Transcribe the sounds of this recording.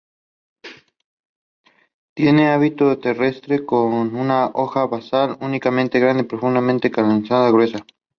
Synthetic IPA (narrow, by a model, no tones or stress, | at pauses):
t̪je̞ne̞aβit̪ot̪e̞re̞st̪ɾe̞konunaʔoxaβasalunikamẽnt̪eɣɾand̪eipɾo̞fund̪amẽnt̪ekalonisaðaɣɾwe̞sa